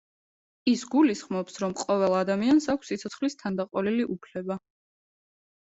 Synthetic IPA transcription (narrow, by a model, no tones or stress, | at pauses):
isɡulisχmɔpsɾɔmqʼɔvɛlˠad̪amiansakʷʰsːit̪sʰɔt̪sʰχlist̪ʰand̪aqʼɔliliʔupʰlɛba